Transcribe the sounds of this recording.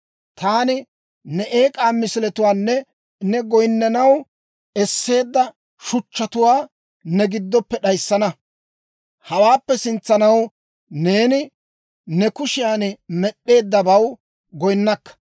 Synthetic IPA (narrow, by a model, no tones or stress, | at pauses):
t̪aːnɪ | nɛʔeːkʼaːmɪsɪlɛt̪ʊwaːnːɛ | nɛɡɔjnːɐnɐw | ɛsːe̞ːd̪ːɐ | ʃʊt͡ʃːɐt̪ʊwaː | nɛɡɪd̪ːɔpːɛɗɐjsːɐnɐ | hɐwaːpːɛsɪnt͡sːɐnɐw | ne̞ːnɪ | nɛkʊʃɪjaːnmɛɗːe̞ːd̪ːɐbɐw | ɡɔjnːɐkːɐ̥